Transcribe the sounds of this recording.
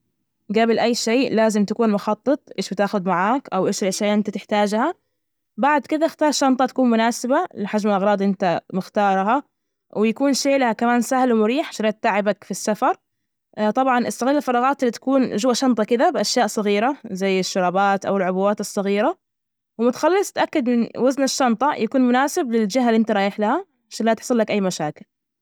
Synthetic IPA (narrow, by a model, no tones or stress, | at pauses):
ɡabɪlʔajːʃeːʔlaːzɪmt̪akuːnmʊxɑt̪ˤːɨt̪ˤʔeːʃbɪt̪aːxʊd̪maʕaːkʔawʔeːʃɪlʔaʃaːʔɪnt̪at̪ɪħt̪aːd͡ʒha | baʕd̪kɪd̪axt̪ɑːɾˤʃɑnt̪ˤɑt̪ḁkuːnmʊnaːsɪbalɪħad͡ʒmɪlʔɑɣɾˤɑːd̪ˤʔɪnt̪amɪxt̪ɑːɾˤɦa | wʔɪjakuːnʃeːlahakamaːnsahlwɪmʊɾiːħʃɑɾeːt̪ːaʕɪbakfisːafɑɾˤ | t̪ˤɑbʕɑnʔɪsˤːɑɣiːlalfɑɾˤɑːɣɑːt̪ɪlːit̪ḁkuːnʒʊwaʃɑnt̪ˤɑkɪd̪abɪʔaʃjaːʔsˤɑɣiːɾazajːɪʃːʊɾˤɑːbaːt̪ʔa̰wɪlʕʊbuwːaːt̪ɨsˤːɑɣiːɾa | wɪmʊt̪xɑlːɨsˤt̪ʔakːad̪ɪnwaznɪʃːɑnt̪ˤɑjʔakuːnmʊnaːsɪblɪld͡ʒɪɦːaliʔɪnt̪aɾˤɑːjɪħlaha | ʕaʃaːnlat̪ɪ̥ħsˤɨlːakʔajːmaʃaːkɪl